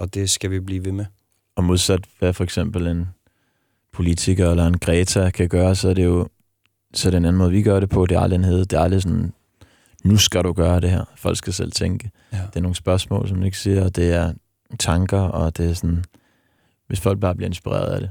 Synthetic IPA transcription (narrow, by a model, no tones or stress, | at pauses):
ɒd̥e̝sɡ̥æʋib̥liːʋe̝me | ɒ̽mo̝ð̞ˠsæd̥ʋæfɒ̽eɡ̥sem̰b̥l̩e̝n | pʰo̝lit͡sʰiɡ̥ɐelɐe̝nɡ̥ʁɛːt͡sʰækʰæɡ̥ɶːɐsɒ̽æɐɾ̥e̝jo̝ | sɒdenæn̩mɔːð̩ˠʋiɡ̥ɶɐɾepʰɒ̽d̥e̝æɐɑ̈lienɦeð̩ˠd̥e̝æɐɑ̈lisɒn | nusɡ̥æɾuɡ̥ɶːɐɾ̥e̝ɦæɐ̰fɒ̽l̰ɡ̥sɡ̥æsel̰t͡sʰeŋɡ̥ə̥ | eɐno̝ːŋəsb̥ɶɐsmɔ̰̽ːlsɒ̽md̥ue̝ɡ̥ə̥siɐɒd̥e̝æɐ | t͡sʰɑ̈ŋɡ̥ɐɒd̥e̝æɐsɒn | ʋe̝sfɒ̽l̰ɡ̚b̥ɑ̈ːb̥liɐe̝nsb̥iʁḛːɐð̩ˠæɾ̥e̝